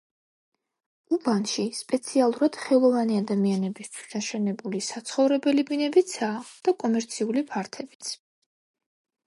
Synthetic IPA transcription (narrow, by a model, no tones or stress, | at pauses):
ubanʃispʼɛt̪sʰialˠuɾad̪̥χɛlˠɔvaniad̪amianɛbist̪ʰwi̥sd̪aʃɛnɛbulisat̪sʰχɔvɾɛbɛlibinɛbit̪sʰaːd̪̥akʼɔmɛɾt̪sʰiulipʰaɾt̪ʰɛbi̥t̪sʰ